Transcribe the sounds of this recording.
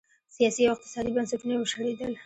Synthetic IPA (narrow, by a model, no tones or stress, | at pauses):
sijɑsiawɪq̚t̪ɪ̥sɑd̪ibansɪpnawəʃaɽed̪əl